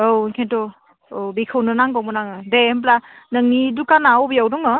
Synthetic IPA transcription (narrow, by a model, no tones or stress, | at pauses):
owŋkʰentɔ | owbikʰɯwnɯnaŋɡɔmɔnaŋɯdemp̬lanəŋnidukanawbijawdɔŋɯ